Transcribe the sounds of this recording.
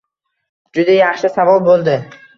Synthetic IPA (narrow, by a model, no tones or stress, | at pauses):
d͡ʒʊd̪ajaχʃɪsavɒlˠbolˠd̪ɪ